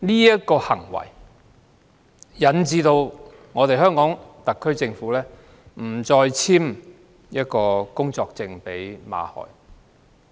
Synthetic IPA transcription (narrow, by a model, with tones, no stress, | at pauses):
niː˥jɐ˥t̚kɔː˧hɐ̰˨˩ŋwɐ̰˨˩j | jɐ˨˥nt͡siː˧t̪o˧w | ŋɔː˨˧t̪e˨jɦœː˥ŋkɔː˨˥ŋt̪ɐ˨kʰːɵ˥ɥt͡sɪ˧ŋfuː˨˥lɛː˥ | m̩˨˩t͡sɔː˧jt͡sʰiː˥m | jɐ˥t̚kɔː˧kʊ˥ŋt͡sɔː˧k̚t͡sɪ˧ŋpe˨˥jma̰ː˨˧hɔ̰ː˨˩j